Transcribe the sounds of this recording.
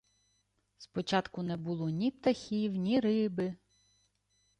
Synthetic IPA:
spɔt͡ʃɑt̪kʊnɛbulˠɔnʲip̚t̪ɐxʲiwnʲiɾɪbɪ

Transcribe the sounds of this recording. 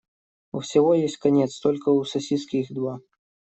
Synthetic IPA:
ufsʲɪɣɔjesʲtʲkanʲɛt̪st̪ɔlʲkəusɐsʲiskʲixd̪wa

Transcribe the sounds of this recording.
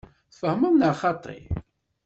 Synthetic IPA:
θfəhməmnəχɑt̪ˤḭ

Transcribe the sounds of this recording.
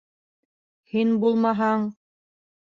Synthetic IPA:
hinbulˠmɑɦɑɴ

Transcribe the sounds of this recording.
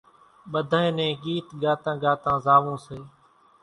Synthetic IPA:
ɓəd̪ʱaːẽːnẽːɠiːt̪ɡaːt̪ãːɡaːt̪ãːzaːʋõːseː

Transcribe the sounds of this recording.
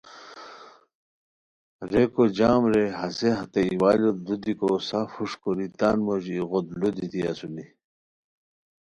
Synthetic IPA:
ɾekod͡ʑaːmɾeɦɐseɦɐt̪eiwaːlot̪lud̪ikosafuʂkoɾit̪aːnmoʑiːɣod̪lud̪it̪iɐ̰suni

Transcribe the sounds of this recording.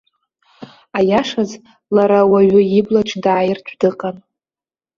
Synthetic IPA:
ajaʂaz | laɾawaɥʊiblaʈ͡ʂʰʼdaːjɪrtʷʰdɨqʼan

